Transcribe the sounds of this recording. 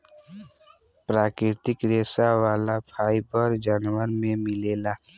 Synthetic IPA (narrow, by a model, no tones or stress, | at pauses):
pɾaːkɾɪɾt̪ɪkɾeːsaʋaːlapʰaːibəɾd͡ʒaːnwəɾmẽmɪleːlaː